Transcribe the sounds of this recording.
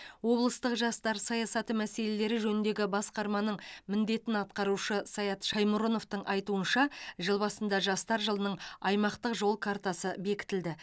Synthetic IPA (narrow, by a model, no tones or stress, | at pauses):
wo̞blˠəst̪əqʒɑst̪ɑɾsɑjɑsɑt̪əmæse̞le̞le̞ɾɪʒɵnɪnd̪e̞ɡʲɪbɑsqɑɾmɑnəɴmɪnd̪e̞t̪ɪnɑt̪̚qɑɾuʃəsɑjɑt̪ʃɑjmʊɾonoft̪əɴʔɑjt̪uənʃɑʒəlˠbɑsənd̪ɑʒɑst̪ɑɾʒəlˠənəɴɑjmɑqt̪əqʒo̞lˠkʰart̪ɑsəbe̞kʲɪ̥t̪ɪld̪ɪ